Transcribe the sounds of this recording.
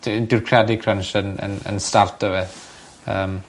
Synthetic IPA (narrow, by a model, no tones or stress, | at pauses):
dɪrkʰrjadikʰrənʃənə̰nə̰nstartʰəvɛð | əːm